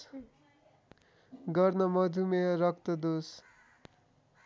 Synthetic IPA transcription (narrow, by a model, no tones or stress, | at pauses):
ɡʌrnʌmʌd͡z̪ʱumeʌɾʌk̚t̪ʌd̪os